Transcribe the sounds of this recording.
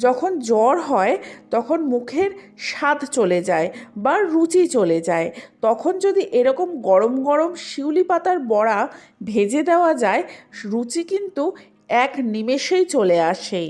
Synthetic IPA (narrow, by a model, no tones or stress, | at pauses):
d͡ʑɔkʰond͡ʑɔɾɦɔet̪ɔkʰonmukʰeɾʃat̪ʰt͡ɕoled͡ʑaebaɾut͡ɕit͡ɕoled͡ʑaet̪ɔkʰond͡ʑod̪iʔeɾɔkomɡɔɾomɡɔɾomʃiwlipat̪aɾbɔɽa | bʱed͡ʑed̪eoad͡ʑaeɾut͡ɕikint̪u | ɛknimeʃejt͡ɕoleaʃe